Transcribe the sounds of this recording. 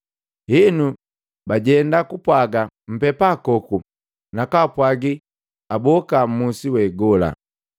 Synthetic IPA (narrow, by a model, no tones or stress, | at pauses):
hinu | baɟɛndakupwaɡa | m̩pɛpaːkɔku | nakapwaɡi | abɔkam̩musiwɛɡɔla̰